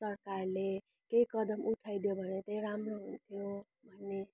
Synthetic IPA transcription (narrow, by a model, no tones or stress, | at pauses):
sʌɾkaɾle | keikʌd̪ʌmuʈʰajd̪jobʱʌnet̪ʌiɾamɾoɦunt̪ʰijo | bʱʌnːe